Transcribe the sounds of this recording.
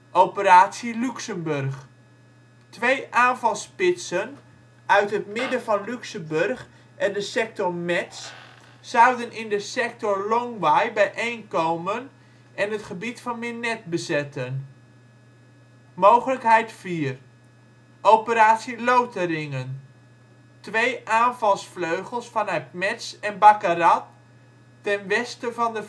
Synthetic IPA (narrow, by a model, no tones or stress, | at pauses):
ʔowpəɾaːtsilyksəmbɵrχ | tʋejʔaːnvɑlˠspɪtsən | œɥtɦətmɪdəvɑnlyksəmbørχ | ʔɛndəsɛk̚tɔɹmɛts | sawdənʔɪndəsɛk̚tɔɹlɔŋʋajbɛjʔejnkowmən | ʔɛnətχəbitfɑnmɪnɛt̚bəzɛtən | mowχələkɦɛjtfiːər | ʔowpəɾaːtsilowtərɪŋən | tʋejʔaːnvɑlˠsfløɥχəlˠsfɑnœɥtmɛtsɛnbakarɑtː | ɛnʋɛstəvɑndə